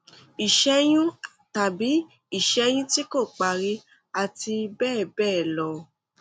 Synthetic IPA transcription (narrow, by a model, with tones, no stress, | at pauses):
i˨ʃɛ˧˦j̃ũ˦˨ta˨bi˨˦ | i˦˨ʃɛ˨˦j̃ũ˦ti˦ko˦˨k͡pa˨ɾi˦ | a˨ti˧bɛː˦˨bɛː˦˨lɔ˧˦